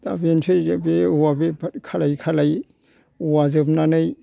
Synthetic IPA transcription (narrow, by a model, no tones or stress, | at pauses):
ta̰bentʰɯzbeuwabepʰkʰalajkʰalaj | uwazɯp̚nanɯj